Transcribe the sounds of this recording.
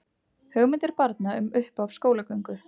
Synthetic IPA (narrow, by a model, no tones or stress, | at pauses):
hœɣmɪnt̪ɪɾ̥paɾt̪naʏmʏhpavskoːwlakœɥŋkʏ